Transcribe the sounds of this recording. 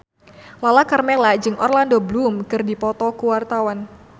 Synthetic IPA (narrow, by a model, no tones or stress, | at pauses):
lalakarmɛlad͡ʒɨŋʔɔrlandoblumkɨrdipɔt̪ɔkuwart̪awan